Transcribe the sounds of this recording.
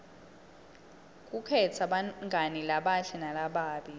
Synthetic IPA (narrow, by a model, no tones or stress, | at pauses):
k̬ʼukʰɛt͡sʰaɓaŋɡʱanilaɓaɬɛnalaɓaːɓi